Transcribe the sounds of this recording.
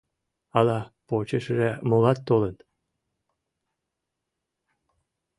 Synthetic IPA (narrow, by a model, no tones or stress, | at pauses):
ɑlɑpot͡ɕəʃəʒemolɑt̪ːolət̪